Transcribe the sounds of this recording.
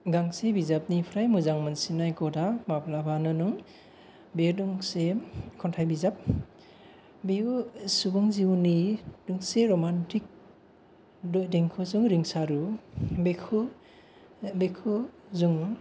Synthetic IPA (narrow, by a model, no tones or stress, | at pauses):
ɡaŋsebizap̚nipʰɾajmuzaŋmansinajkɔdamapʰlabʰʱanɯnɯŋ | bedɯŋsekʰɔntʰajbizap̚ | biusubɯŋziwnidɯŋseɾɔmantʰik̚ | deŋkʰɯzɯŋɾiŋsaɾubekʰu | bekʰu | zuŋ